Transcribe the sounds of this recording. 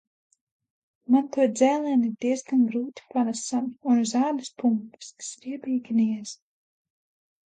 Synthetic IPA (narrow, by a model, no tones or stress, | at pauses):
mant̪uɔd̪zæːlˠɛːniɾd̪iɛzɡanɡɾuːt̪i̥panasamunzaːd̪uspumpi̥sksvʲiɛbʲiːɡʲiniɛz̥